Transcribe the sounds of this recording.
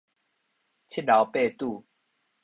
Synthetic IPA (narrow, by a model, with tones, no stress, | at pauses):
t͡ɕʰi˦˥t̚la˨˦wpe˥˧˨t̪u˥˧